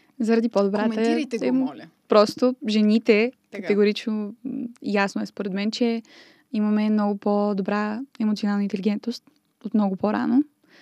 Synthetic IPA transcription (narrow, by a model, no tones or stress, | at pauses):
zɐɾɐd̪ipod̪obɾat̪əiɛpɾɔst̪oʒɛnit̪ɛkəɛɡoɾit͡ʃnoḭjasnoɛspoɾɛd̪mɛnt͡ʃɛ | imɐmɛmnɔɡʊpod̪obɾaɛmot̪sionalˠnəint̪ɛliɡɛnt̪nost̪ | ot̪mnɔɡʊpoɾa̰no